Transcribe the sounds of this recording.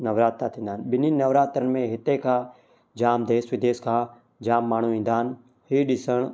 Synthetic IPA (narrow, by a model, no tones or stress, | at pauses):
nɐʋɾaːt̪ːat̪ʰĩːnd̪aːnɓɪninɐʋɾaːt̪əɾənmẽɦɪt̪ekʰã | d͡ʒaːmd̪eːsʋɪd̪eːskʰãː | d͡ʒaːmːaːɳ̤uĩːn̆d̪aːn | hiːɗɪsəɽ̃